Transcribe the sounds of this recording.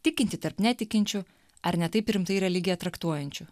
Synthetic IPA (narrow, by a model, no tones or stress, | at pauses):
t̪ʲɪkʲɪnʲt̪ʲɪt̪ɐɾpnʲæt̪ʲɪkʲɪnʲt͡ʃʲʊ | ɐɾnʲɛt̪ɐɪpɾʲɪmt̪ɐɪɾʲɛlʲɪɡʲɪjɛt̪ɾɐkt̪uɔjɛnʲt͡ʃʲʊ